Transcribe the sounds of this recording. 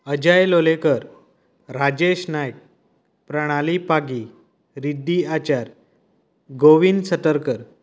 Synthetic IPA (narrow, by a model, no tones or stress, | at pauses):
əd͡ʑajlolekəɾ | ɾad͡ʑeɕnajk̚ | pɾəɽ̃alipaɡi | ɾid̪ːiat͡ɕaɾ | ɡoʋinsət̪əɾkəɾ